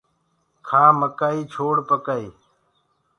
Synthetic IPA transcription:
kʰãːməkaːiːt͡ʃʰoːɽpəkaːiː

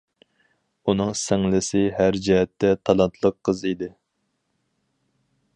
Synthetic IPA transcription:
unɨŋsɛŋlɪsɪɦæɾd͡ʒɛɦɛt̪ːɛt̪ʰɑlˠɑnt̪ʰlˠəqʰːəzid̪ɪ

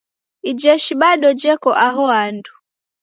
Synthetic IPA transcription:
id͡ʒɛʃiɓaɗɔd͡ʒɛkɔʔaɦɔandu

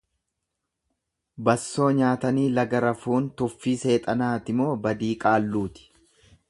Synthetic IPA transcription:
bɐsːo̞ːɲaːt̪ɐniːlɐɡɐɾɐfuːnt̪ʊfːiːse̞ːt̪ʼɐnaːt̪ɪmo̞ːbɐd̪iːkʼaːlːuːt̪ɪ̥

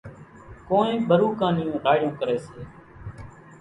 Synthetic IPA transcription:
koːnẽːɓəɾuːkãːnɪːõːɖʱaːɽɪjõːkəɾeːseː

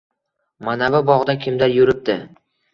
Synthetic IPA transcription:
manavɪbɒʁd̪akʲʰɪmd̪aɾjʊɾɪp̚d̪ɪ

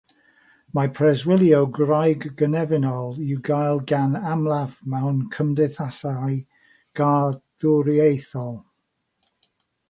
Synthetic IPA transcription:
mapʰrɛzwɪlˠjowɡrajɡɡənɛvɪnɔlˠiwɡajlˠɡanamlˠavmawnkʰəmdɪθasaj | ɡ̥aðʊɾiejθɔlˠ

